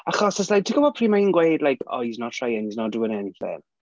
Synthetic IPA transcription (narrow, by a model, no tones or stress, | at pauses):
aχɔsaslajtʰiɡɔvɔpʰriːmainɡwejdlajkʰɔ̰iznɔtʰrajɛniznɔduənɛnifɛ̰n